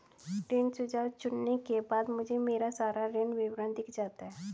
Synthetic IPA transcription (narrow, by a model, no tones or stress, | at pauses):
ɾensud͡ʒaɾt͡ʃʊnnekebaːd̪mʊd͡ʒʱemeːɾasaːɾaɾenʋiʋɾə̃nd̪ikd͡ʒaːt̪aɦɛ